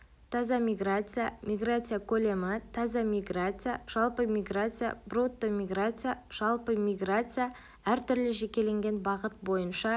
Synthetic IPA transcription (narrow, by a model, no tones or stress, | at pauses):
t̪ʰɑzɑmʲiɡrat̪sɨjamʲijɡrat̪sɨjakʰɵlemat̪ʰɑzɑmʲiɡrat̪sɨjaʒ̥ɑlˠpəmʲiɡrat̪sɨja̰brut̪ːəmʲiɡrat̪sɨjaʒ̥ɑlˠpəmʲijɡrat̪sɨja | æɾt̪ʰʏɾlɪʒe̞kʲe̞le̞ŋɡʲe̞nbɑʁət̪̚bo̞jənʃɑ